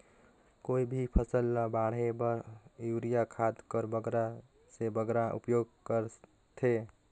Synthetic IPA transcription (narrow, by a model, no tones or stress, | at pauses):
koibʱipʰəsəlːəbaɽ̤ɦebəjuɾijakʰad̪kəɾbəɡɾa | sebəɡɾaʔṵpjoɡ̚kəɾ | t̪ʰe